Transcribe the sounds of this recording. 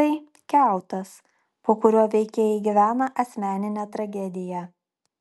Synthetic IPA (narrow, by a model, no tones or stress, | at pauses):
ɐɪ | kʲæˑʊt̪ɐs | poːkʊɾʲoːʋʲɛɪkʲeːjɛɪɡʲɪʋʲæːnɐʔɐsʲmʲæːnʲɪnʲɛːt̪ɾɐɡʲɛd̪ʲɪjæ